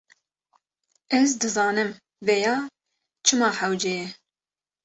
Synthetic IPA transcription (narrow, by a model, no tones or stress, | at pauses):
ɛzd̪ɨzɑːnɨm | vɛjɑː | t͡ʃʰɨmɑːħawd͡ʒejɛ